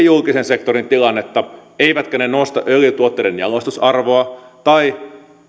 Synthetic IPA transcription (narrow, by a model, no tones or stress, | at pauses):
julkisense̞kt̪oɾint̪ilɑnːet̪ːɑeiʋæt̪kønenoust̪ɑ̰ʔølyt̪uot̪ːeidenjɑlost̪usɑrʋoɑt̪ɑi